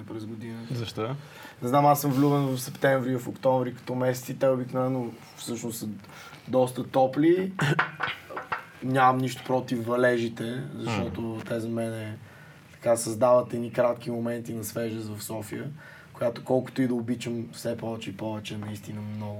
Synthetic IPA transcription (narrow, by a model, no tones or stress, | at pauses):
pɾɛzɡʊd̪inəzɐʃt̪ɔ | nɛznamasːəmvlʲuvɛnvɐfsɛpt̪ɛ̃ɱvɾivɐfokt̪ɔ̃ɱvɾikɐ̥t̪ɔmɛsɛt̪sit̪ɛobiknovɛnːo | fsɤʃnʊst̪sə | d̪ɔst̪ət̪ɔpli | nʲamɐmniʃt̪ʊ̥pɾot̪ifːɐlɛʒit̪ɛzɐʃtt̪ɔt̪ot̪ɛzɐmɛnɛ | t̪ɐ̥kasɐzd̪avɐt̪ɛnikɾat̪k̟imomɛnt̪inɐsvɛʒəzvɐfsɔfiə | kʊjat̪o̥kɔlˠkʊ̥t̪ʊid̪ɐʊbit͡ʃəmfsɛpɔvɛt͡ʃɛipɔvɛt͡ʃɛnɐist̪inəmnɔɡʊ